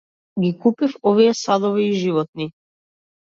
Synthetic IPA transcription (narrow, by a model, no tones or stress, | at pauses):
ɡikupifɔvijɛsad̪ɔviːʒivɔt̪̚ni